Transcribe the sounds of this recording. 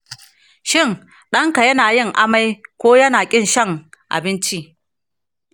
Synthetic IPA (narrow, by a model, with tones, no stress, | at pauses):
ʃɪ˦˨n | ɗɐ˦ŋka˨jɐ˦naː˨jɪ˦˨ŋʔa˦ma˦jkʷoː˦jɐ˦naː˨kʲʼɪ˦nʃɐ˦ŋʔa̰˨bɪ˦nt͡ʃi˦ʔ